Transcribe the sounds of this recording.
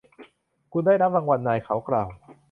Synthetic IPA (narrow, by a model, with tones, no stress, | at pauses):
kʰu˧ndaː˥˩jɾa˦˥p̚ɾaː˧ŋwa˧nːaː˧jkʰa˩˦wklaː˨˩w